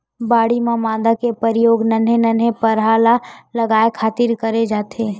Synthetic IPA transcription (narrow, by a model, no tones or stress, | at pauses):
baːɽimãmãːd̪akepəɾɪjoːɡnɐnenənepɐɾɦaːlalɐɡaːekʰaːt̪iɾkɐɾed͡ʒaːt̪ʰeː